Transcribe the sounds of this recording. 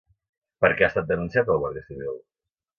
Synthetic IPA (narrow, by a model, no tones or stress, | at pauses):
pəɾkɛast̪at̪̚d̪ənunsiat̪əlˠβwəðɾisiβilˠ